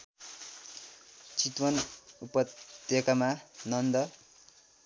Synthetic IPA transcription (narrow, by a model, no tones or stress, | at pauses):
t͡sit̪wʌnupʌt̪jʌkamanʌnd̪ʌ